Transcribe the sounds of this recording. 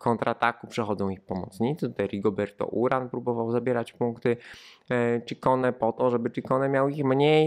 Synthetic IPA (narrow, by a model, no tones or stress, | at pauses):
kʰɔnt̪ɾʔat̪akupʂɛxɔd̪zɔ̃w̃ixpɔmɔ̰t̪sɲit̪sɘt̪ut̪ajɾʲiɡɔbʲɛɾt̪ɔ̰ʔuɾanpɾubɔvawzabʲjɛɾat͡ɕpuŋkt̪ɘ | t͡ʂikɔnɛpɔt̪ɔʐɛbɘt͡ʂikɔnɛmʲjawixmɲej